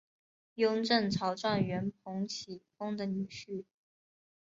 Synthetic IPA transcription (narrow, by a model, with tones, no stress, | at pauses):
jʊ˥ŋʈ͡ʂə˥˩ŋʈ͡ʂʰɑ˧˥ʊʈ͡ʂwa˥˩nɥɛ˧˥npʰʊ˧˥ŋt͡ɕʰi˨˩fʊ˥ŋd̪ə˨ny˨˩ɕy˥˩